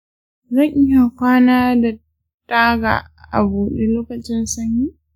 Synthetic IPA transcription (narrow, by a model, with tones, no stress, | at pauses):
zɐ˦˨ŋʔɪ˦ja˨kʷaː˦naː˦da˨ | taː˦ɡa̰ː˨ | ʔa̰˨buː˨ɗe˦loː˦kɐ˨t͡ʃɪ˦nsɐ˦ɲjiː˦